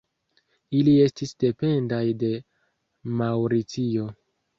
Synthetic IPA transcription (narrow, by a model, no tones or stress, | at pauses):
ilie̞stisd̥e̞pe̞ndajde̞ | mawɾit͡sio̞